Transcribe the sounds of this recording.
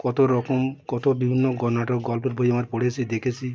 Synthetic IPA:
kɔt̪oɾɔkɔmkɔt̪obibʱinːɔɡɔnaʈɔɡɔlpɔɾbʱojɔmaɾepɔɽet͡ʃʰid̪ekʰet͡ʃʰi

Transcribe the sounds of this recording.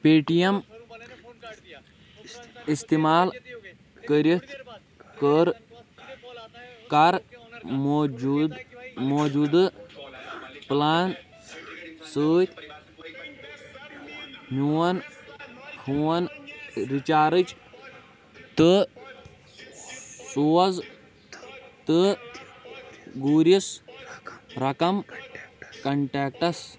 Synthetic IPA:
peːʈijɐm | ist̪imaːl | kəɾit̪ʰ | kəɾ | kaɾ | d̪moːd͡ʒud̪ | plaːn | səːt̪ʲʰ | nʲuwɐn | huwɐnɾit͡ʃaːɾɨt͡ʃ | t̪ɨ | suːɐz | t̪ɨ | ɡuːɾis | ɾɐkɐm | kɐɳʈaːk̚ʈɐs

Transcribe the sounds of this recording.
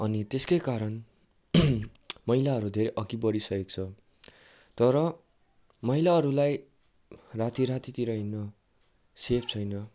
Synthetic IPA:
ʌnit̪eskejkaɾʌn | mʌijlaʌɾud̪ʱeɾeʔʌkibʌɾisʌek̚t͡sʰʌ | t̪ʌɾʌ | mʌɦilaɦʌɾulaj | rat̪iɾat̪it̪iɾʌɦinːʌ | sepʰt͡sʰʌjnʌ

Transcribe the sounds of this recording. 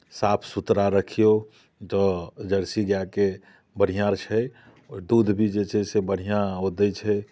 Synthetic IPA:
sapʰsut̪ɾaɾəkʰijo | d͡ʒɔd͡ʒəɾsiɡjake | bəɽ̤ijãɾt͡ʃʰɛ | ɔɾd̪uːd̪ʱbʱid͡ʒet͡ʃɛsebəɽ̤ijaɦod̪ət͡ʃʰɛ

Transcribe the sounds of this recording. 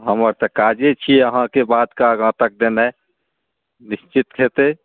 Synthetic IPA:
ɦəməɾt̪əkad͡ʒet͡ʃʰiəɦãkebad̪kaɡãːt̪ək̚d̪enɛ | nist͡ʃit̪kʰet̪e

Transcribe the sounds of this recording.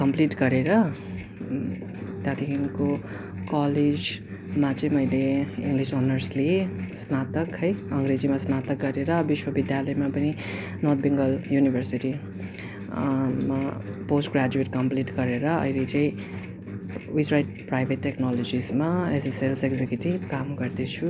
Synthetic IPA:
kʌmpliʈɡʌɾeɾʌ | t̪jat̪ikinko | kaled͡z | mat͡sʌ̃ĩmʌjleḭŋɡlisonʌrslesnat̪ʌkɦʌjʌŋɡɾed͡zimasnat̪ʌk̚ɡʌɾeɾʌbiswʌbid̪jalʌjmapʌni | nort̪̚ʰbiŋɡʌljunibʱʌrsiʈi | maposʈɡrad͡zueʈkʌmpliʈɡʌɾeɾʌʌ̰jlet͡sʌ̃ĩ | wizrajʈ̚prajbʱetːeknalod͡zismaeseselseɡd͡zekjuʈibkamɡʌrd̪et͡sʰu

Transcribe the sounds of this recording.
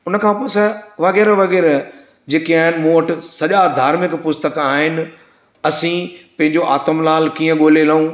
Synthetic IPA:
ʊnəkʰãːpoːsɛʋɐɣɛːɾʋɐɣɛːɾ | d͡ʑeːkiaːɦɪnɪ̆mũːɐʈ̆sɐʄad̪ʱaːɾmɪkpʊst̪əkaːɦɪnɪ̆ | ɐsĩpɐ̃ɦɪ̃ɲd͡ʑoʔaːt̪əmlaːlkiːə̃ɠoːlelɐũː

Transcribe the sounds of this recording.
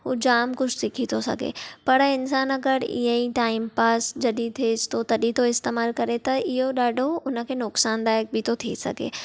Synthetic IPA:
ɦud͡ʑaːmkʊt͡ʃʰsɪkʰit̪ʰosɐ̰ɡʱḛːpɐɾɪns̬aːnɐɡəɾḭɦəiʈaːɪmpaːsd͡ʒɐɗit̪ʰest̪ot̪ɐɗit̪oɪst̪eːmaːlkɐɾet̪ɐɪɦoɗaːɖʱoʊnə̆kʰeːnʊksaːnd̪aːjək̚bʱɪt̪ot̪ʰḭsɐ̰ɡʱḛː

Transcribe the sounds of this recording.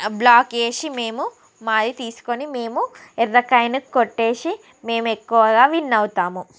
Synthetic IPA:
blaːke̞ːʃime̞ːmu | maːɾit̪iːsu̥konime̞ːmu | ɛɾɐkɐjnɐkːoʈːe̞ːʂi | me̞ːmekːuʋɐɡaːʋinːɐwut̪aːmu

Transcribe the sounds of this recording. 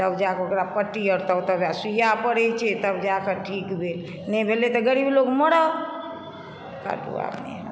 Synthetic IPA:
t̪əbd͡ʒakokɾapəʈːiəɾt̪ət̪əbd͡ʒasujapəɽɛt͡ʃʰɛt̪əbd͡ʒakəʈʰikbʱel | nɛbʱelet̪ɔɡəɾiblokməɽə | ka̰ʈṵa̰pnḛə̰

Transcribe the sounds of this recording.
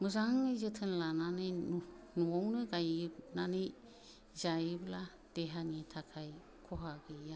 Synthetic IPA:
mɯzaŋɯzɯtʰɯnlananɯjnuɔŋnɯɡajnanɯj | zajbla | d̥eɦanitʰakʰaj | kʰɔɦaɡɯja

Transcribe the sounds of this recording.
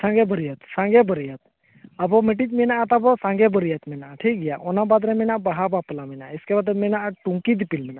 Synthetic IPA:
sãŋɡebʱəɾijat̪sãŋɡebəɾijat̪̚ | abɔmeʈ̬it̪minaːt̪apɔsãŋɡebəɾijat̪mɛnaʈʰiːk̚ɡijaʔɔnabad̪ɾɛminabaɦabaplaminaeskɛbad̪əmɛnaʈuŋkid̪ipilmɛna

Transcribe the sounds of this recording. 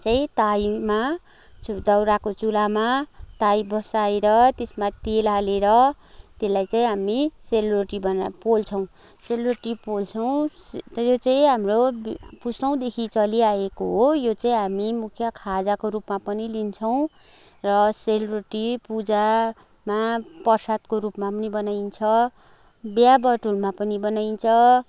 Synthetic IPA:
t͡saĩt̪ajma | ud̪ʌwɾakot͡sulamat̪aibʌsaeɾʌt̪esmat̪elaleɾʌ | t̪elajt͡saĩɦamiselbreʈibʌnpolt͡sʰʌ̃w̃ | selreʈipolt͡sʰʌw̃sjot͡saĩɦamrobpustʌw̃d̪ekʰit͡sʌliaekoɦojot͡saĩɦamimukʰjʌkʰad͡zakoɾupmapʌnilint͡sʰʌw̃ | rʌselbreʈipud͡za | mapʌrsad̪̚koɾupmapʌnibʌnajnt͡sʰʌ | bjabʌʈulmapʌnibʌnajnt͡sʰʌ

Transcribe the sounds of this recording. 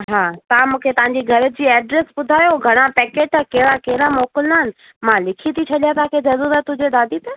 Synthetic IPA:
ɦaːt̪ɐãmũːkʰet̪ɐʋ̤ãɲd͡ʑiɡʱɐɾə̆d͡ʑiːɛːɖɾesbʊd̪ʱaːjoɡʱɐɽ̃apɛːkeːʈakɐɦɪɾakeɦɪɾamoːkɪlnaɦɪnɪ̆ | mãlɪkʰit̪ʰit͡ɕʰɐɗjat̪ɐãkʰed͡ʑɐzuzat̪ʊd͡ʑed̪aːd̪ʱit̪ɐ

